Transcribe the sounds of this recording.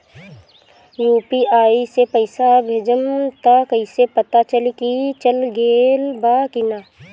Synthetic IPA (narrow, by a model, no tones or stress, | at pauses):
juːpiaːisepəɪsabʱeːd͡ʒəmt̪akəɪsepət̪at͡ʃəlikit͡ʃəlɡeːlbaːkɪnaː